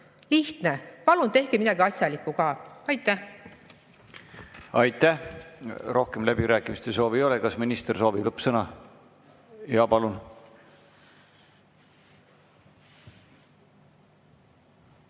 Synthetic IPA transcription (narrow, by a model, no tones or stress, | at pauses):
liht̪nepɑlunt̪e̞hkemid̪ɑɡiɑsʲjɑlikːˑuɡɑːɑjt̪ːæ | ɑjt̪ːˑæh | ro̞hkemlæb̥iɾæːkːˑimist̪es̬o̞ːvio̞lekɑsminist̪erso̞ːvilɤpːsɤnɑ | jɑpɑlun